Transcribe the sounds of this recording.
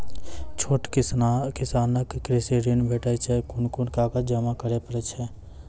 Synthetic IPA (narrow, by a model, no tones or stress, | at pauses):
t͡ʃʰoːʈkɪkɪsaːnəkːɾɪseɾinbʱeːʈat͡ʃʰɛkʊnkʊnkaːkəd͡ʒəmakəɾepəɾɛt͡ʃʰɛ